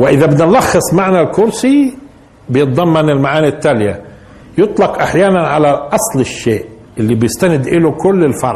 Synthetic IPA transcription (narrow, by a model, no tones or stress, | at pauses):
wɪʔɪðabɪd̪nlɑxːɨsˤmaʕnalkʊɾsi | bɪjɨt̪̚ˤd̪ˤɑmːɑnɪlmaʕaːnit̪ːalja̰ | jʊt̪ˤlɑqʔaħjaːnanʕalaʔɑsˤlɪʃːeːʔ | ɪlːibjɪst̪anɪd̪ʔɪlukʊlːɪlfɑ̰ɾˤ